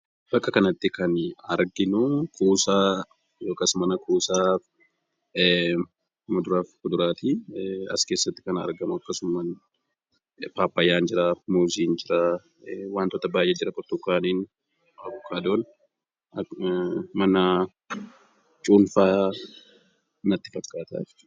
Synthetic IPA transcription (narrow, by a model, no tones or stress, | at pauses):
b̥ɐkʼːɐkɐnɐt̪ːɪkɐnɐɾɡɪnʊkʰʼuːsaː | joːkːɐsmɐnɐkʰʼuːsaːf | mʊd̪ʊɾaːfkʊd̪ʊɾaːt̪iɐ̰skeːsːɐt̪ːɪ̥kɐnɐ̰ɾɡɐmʊɐkːɐsʊmɐn | paːpːɐjːaːnd͡ʒɪɾaːmuːziːnd͡ʒɪɾa | waːnt̪ɔt̪ːɐbaːjʔɛd͡ʒɪɾɐkʼɔɾt̪ʊkːaːniːn | ɐbʊkʰʼːaːd̪oːn | mɐnɐ | t͡ʃʼuːnfaː | nɐt̪ːɪ̥fɐkʼːaːt̪a̰ːf